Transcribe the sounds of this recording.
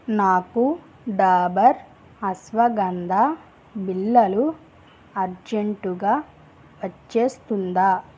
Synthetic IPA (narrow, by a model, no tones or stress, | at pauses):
naːku | ɖaːbɐɾ | ɐsʋɐɡɐnd̪ʱa | bilːɐlu | ɐɾd͡ʒeɳʈuɡaː | ʋɐt͡ʃːeːst̪und̪aː